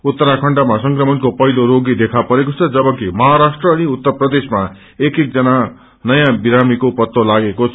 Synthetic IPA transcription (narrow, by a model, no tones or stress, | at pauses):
ut̪ːʌɾakʰʌɳɖamasʌŋkrʌmʌnkopʌɦiloɾoɡid̪ekʰapʌɾekot͡sʰʌd͡zʌbʌkimʌɦaɾasʈrʌːniut̪ːʌrprʌd̪esma | ekek̚d͡zʌna | nʌjãbiɾamikopʌt̪ːolaɡekot͡sʰ